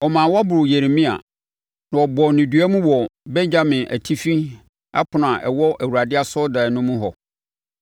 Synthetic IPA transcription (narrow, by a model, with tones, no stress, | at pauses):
ɔ˨mãː˨wa˦bʊ˨ɾʊ˨je˨ɾe˨mĩ˦a̰˨ | nã˨ɔ˨bɔ˨nɪ̃˨dɥæ˦mũ˦wɔ˨bɛ̃˦ɲd͡ʑa˦mɪ̃˨ʔæ̰˨tʰi˦fĩ˦ | a̰˦pʰʊ˨nã˨ʔɛ̰˨wɔ˦ʔæ˨wu˨ɾa˨dɪ˦a˦sɔ˦da˨nʊ̃˦mũ˦ɦɔ˨